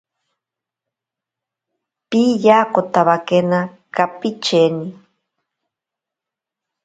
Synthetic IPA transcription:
pijakot̪aβakena | kapit͡ʃeni

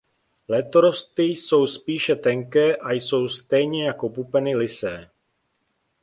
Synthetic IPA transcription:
lɛt̪oɾo̞st̪ɪjso̞wspiːʃɛt̪ɛŋkɛːʔajso̞wst̪ɛjɲɛjako̞pupɛnɪlɪsɛː

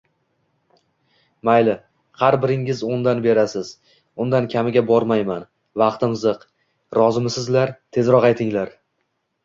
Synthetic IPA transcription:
majlɪ | qʰɑɾbɪɾɪŋɪzond̪anbe̞ɾasɪz̥ | ʊnd̪ankʲʰamɪɡʲabɒɾmajman | vɑqt̪ɪmzɨq | ɾɒzɪmsɪzlaɾt̪ʰe̞zɾɒqɑjt̪ʰɪŋlaɾ

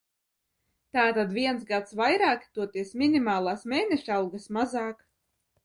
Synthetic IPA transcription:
t̪aːt̪ad̪vʲiɛnsɡat̪svajɾaːkʲi̥t̪uɔt̪iɛsmʲinimaːlˠaːsmʲeːnʲɛʃawɡasmazɑːk

